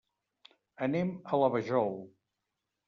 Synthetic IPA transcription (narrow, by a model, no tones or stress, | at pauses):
ənemələβəʒɔl